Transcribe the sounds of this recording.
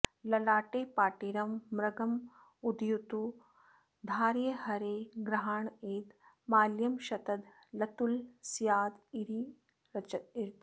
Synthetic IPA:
lɐlaːʈeːpaːʈiɾɐmːɾɐɡɐm | ud̪jut̪u | d̪ʱaːɾjɐhɐɾeːɡɾɐɦaːɳeːt̪ | maːljɐmʃɐt̪ɐd̪ | lɐt̪ulsjaːd̪iɾi | ɐt͡ʃɐiɾt̪

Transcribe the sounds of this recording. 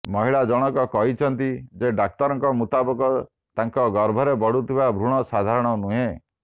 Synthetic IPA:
mɔɦiɭad͡ʒɔɽ̃ɔkɔkɔɦit͡ʃʰɔnt̪id͡ʒeɖak̚t̪ɔɾɔŋkɔmut̪abɔkɔ | t̪aŋkɔɡɔɾbʱɔɾebɔɽut̪ʰiβabʱɾuɽ̃ɔsad̪ʱaɾɔɽ̃ɔnuɦẽ

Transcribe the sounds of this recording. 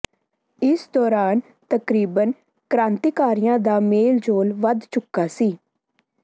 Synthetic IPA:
ɪsd̪ɔːɾaːn | t̪əkɾiːbən | kɾãːnt̪iːkaːɾɪjãːd̪aːmeːld͡ʒoːlʋəd̪t͡ʃʊkːaːsiː

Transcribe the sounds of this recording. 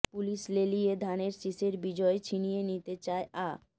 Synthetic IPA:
puliʃlelijed̪ʱaneɾsiʃeɾbid͡ʑɔet͡ɕʰinijenit̪et͡ɕaeʔa

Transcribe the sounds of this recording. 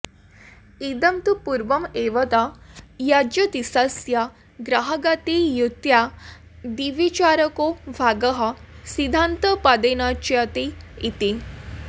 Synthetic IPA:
id̪əmt̪upuɾʋəmeʋət̪ajad͡ʑət̪isasja | ɡɾaɦəɡat̪ijut̪ja | d̪iʋit͡ɕaɾəkobʱaɡəɦasid̪ʱant̪əpad̪enat͡ɕiat̪iit̪i

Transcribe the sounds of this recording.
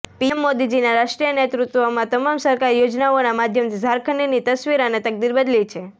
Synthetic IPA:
piemːod̪id͡ʒinaɾaʃʈɾijənet̪ɾut̪ʋomãt̪əmamsəɾkaɾjod͡ʒnaonamad̪ʱjəmt̪ʰizʱaɾkʰənːinit̪əsʋiɾanet̪ək̚d̪iɾbəd̪lit͡ʃʰe

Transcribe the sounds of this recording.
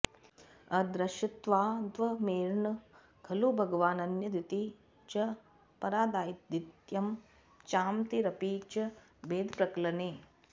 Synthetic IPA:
ɐd̪ɾɐʃɐt̪ʋaːd̪ʋɐmeːɾɳɐ | ɡʰɐluːbʱɐɡɐʋaːnɐnjɐd̪it̪i | t͡ʃɐ | pɐɾaːd̪aːjid̪it̪jɐm | t͡ʃaːmt̪iɾɐpiːt͡ʃɐ | beːd̪pɾɐklɐneː

